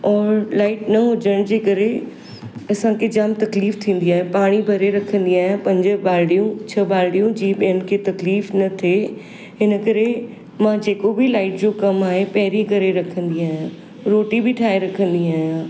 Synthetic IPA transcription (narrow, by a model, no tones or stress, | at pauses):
ɔːɾlaːɪʈnɐɦʊd͡ʑəɽ̃d͡ʑeːkɐɾe | ɐsãkʰed͡ʑaːmt̪ɐkliːft̪ʰĩːn̆d̪iaːɦẽpaːɽ̃ibʱɐɾeɾɐkʰə̃nd̪iaːɦjãpɐ̃ɲd͡ʑə̆baːlɽijũt͡ɕʰɐbaːlɽijũd͡ʑiːɓɪɦən̆kʰet̪ɐkliːfnɐt̪ʰe | ɦɪnə̆kɐɾe | mãd͡ʑeːkobɪlaːɪʈd͡ʑokɐmaːɦepɐɦɪɾikɐɾeɾɐkʰə̃nd̪iaːɦijã | ɾoːʈibɪʈʰaːeɾɐkʰə̃nd̪iaːɦijãː